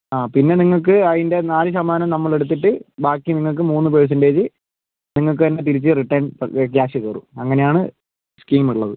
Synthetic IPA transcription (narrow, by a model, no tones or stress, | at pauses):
aːpinːe̞niŋːɐɭk̬ːɨɐðinde̞naːlɨs̬ɐmaːnɐmnɐmːɐɭe̞ɽut̪̬ːiʈːɨbaːkːiniŋːɐɭk̬ːɨmuːnːɨpeɻs̬ɐndeːt͡ɕɨ | niŋːɐɭk̬ɨɐnːet̪̬iɾit͡ɕːɨriʈːɐjnkjaːɕɨɣɐːrṵɐŋːɐne̞jaːɳɨ | skiːmuɭːɐðɨ